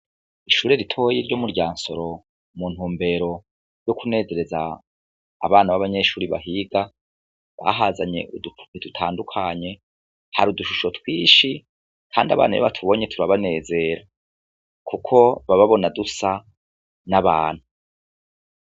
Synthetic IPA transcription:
iʃuːɾe̞ɾitʰo̞jiɾɟo̞muɾɟaːnso̞ɾo̞ | muːn̥huːmbe̞ɾo̞ | ɾjokune̞ːze̞ɾe̞za̰ː | βaːnaβaβaɲe̞ʃuːɾiβa̰ɦiɡa | βa̰ɦazaɲe̞̰idutʰaːndukʰaɲe̞ | haɾuduʃuʃo̞twiːʃi | kʰaːndia̰βa̰ːnajo̰βatʰuβo̞ɲetʰuɾaβane̞ːze̞ɾa | kukʰo̞βaβaβo̞nadusa | naβaːn̥hu

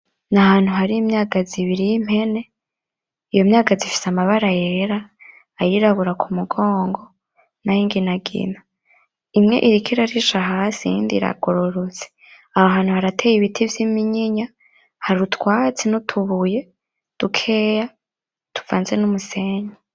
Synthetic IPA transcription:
nahaːn̥huɦaɾiimɲaːɡaziβiɾijim̥he̞ne̞ | ijo̞mɲaːɡazifi̥samaβaɾajeɾaː | jiɾaβuɾakʰumuɡoːŋɡo̞ | najiŋɡinaɡḭna | imŋe̞̰ʔiɾikʰiɾaɾiʃaɦaːsiḭːndḭɾa̰ɡ̥oɾoɾot͡se̥ | ahaɦaːn̥huhaɾatʰeːjiβitʰivjimiɲiɲa | haɾutwaːt͡senutʰuβuje̞ | d̥ukʰeja | tʰu̥vaːnzenumuseɲa

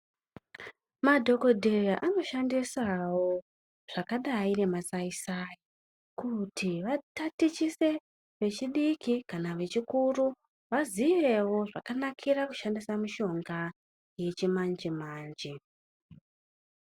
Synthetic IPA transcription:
madʱo̞ko̞dʱeraʔano̞ʃandisawo̞ | ʐ̥akaɗaine̞masaisai | kutʰiʋatatit͡ʃise̞ | ʋe̞t͡ʃiɗikikanaʋe̞t͡ʃikuru | ʋazije̞wo̞ʐakanakʰiɾaku̥ʃandisamuʃo̞ŋɡa | je̞t͡ʃimand͡ʒimaːnd͡ʒi

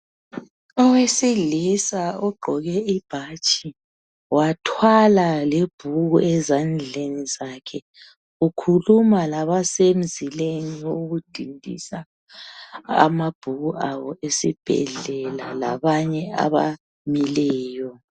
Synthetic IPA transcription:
ɔwesiɮisauɡ͡ǃʱɔɣɛib̥ʱat͡ʃʼi | watʰwalaleb̥ʱuɣuɛzand͡ɮʱenizakʰɛ | ukʰulumalaβasem̩zʱileŋioɣud̥ʱindʱḭsa | a̰mab̥ʱuɣuawɔesib̥ʱɛ̰ɮɛlala̰βaɲɛa̰βa̰ | milɛːjɔ

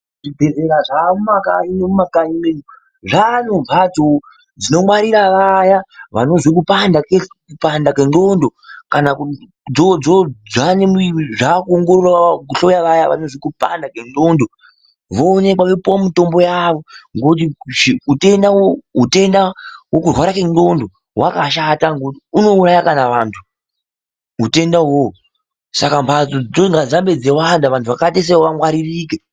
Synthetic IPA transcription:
ʐidʱezeɾaʐamumaka̰inemumakajimenu | ʐanob͡vʱat͡so | d͡zino̞mwaɾiɾaʋajaʋano̞zik̬upandakekupandakeɡondokanak | d͡zod͡zod͡zanemʐakuoŋɡororwak̬uɬo̞jaʋajaʋa̰no̞zikupa̰ndakeŋɡondo̞ | ʋoːne̞kwaʋepuwamito̞mbo̞jaʋo̞ŋɡokt̬iʐiute̞ndawoɦute̞ndaɦwokurwaɾakeŋɡo̞ndo̞ | wakaʃataŋɡotiuno̞urajakanaʋaːntʰu | ɦute̞ndaɦo | sakambat͡sod͡zoŋɡazambe̞d͡zewandaʋantʰuʋakates̬ewoʋamwaɾiriːke

